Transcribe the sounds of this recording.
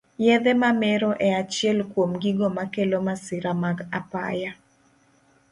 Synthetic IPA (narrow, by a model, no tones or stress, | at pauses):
jɛðɛmamɛɾoʔɛat͡ʃjɛlkwomɡiɡomakelomasɪɾamaɡapa̰ja